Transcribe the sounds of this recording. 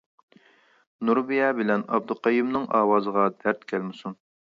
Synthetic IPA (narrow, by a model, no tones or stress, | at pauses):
nuɾbijɑːbɪlɛnɑ̰b̚d̪uqɑjimnɨŋʔɑ̰ːwɑːzəʁɑd̪̥æɾt̪kʲʰɛlmɪsun